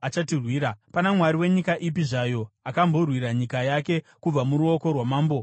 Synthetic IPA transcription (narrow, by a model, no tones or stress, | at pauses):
at͡ʃatirwiːɾapanamwaɾiwe̞ɲikaʔip̬iʐajo̞akambo̞rwiɾaɲikajake̞ | kub͡vamuɾuo̞ko̞rwamaːmbo